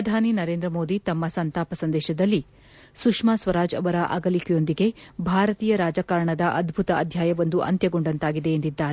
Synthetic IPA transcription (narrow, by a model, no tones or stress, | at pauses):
pɾɐd̪ʱaːninɐɾe̞ːnd̪ɾɐmo̞ːd̪it̪ɐmːɐsɐnt̪aːpɐsɐnd̪ɛːʃɐd̪ɐlːi | sukʂmaːsʋɐɾaːd͡ʒɐ̰ʋɐɾɐʔɐ̰ɡɐlikʰɛjo̞nd̪iɡe̞bʱaːɾɐt̪iːjɐɾaːd͡ʒɐkaːɾɳɐd̪ɐʔɐd̪bʱut̪ɐɐd̪ʱjaːjɐʋond̪uʔɐ̰nt̪jɐɡoɳɖɐnt̪aːɡid̪e̞ːnd̪id̪ːaːɾe